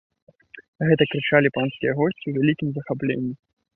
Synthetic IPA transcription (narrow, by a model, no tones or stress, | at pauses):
ɣɛt̪ɐkɾɨt͡ʂalʲipanskʲijɛɣɔsʲt͡sʲivʲɛlʲikʲimzɐxaplʲḛnʲːi